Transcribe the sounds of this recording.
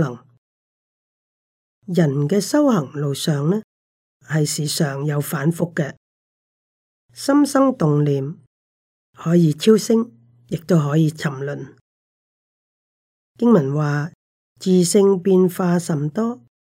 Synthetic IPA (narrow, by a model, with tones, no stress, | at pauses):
lɐ˨˩ŋ | jɐ˨˩nkɛː˧sɐ˥whɐ˨˩ŋlo˨wsœː˨ŋnɛː˥ | hɐ˨jsiː˨˩sœː˨ŋjɐ˨˧wfaː˨˥nfʊ˨kːɛ˧ | sɐ˥msɐ˥ŋt̪ʊ˨ŋliː˨m | hɔː˨˥jiː˨˧t͡sʰiː˥wsɪ˥ŋ | jɪ˨k̚t̪o˥wɦɔː˨˥jiː˨˧t͡sʰɐ˨˩mlɵ˨n | kɪ˥ŋmɐ˨˩nwaː˨ | t͡siː˨˩sɪ˧ŋpiː˧nfaː˧sɐ˨mt̪ɔː˥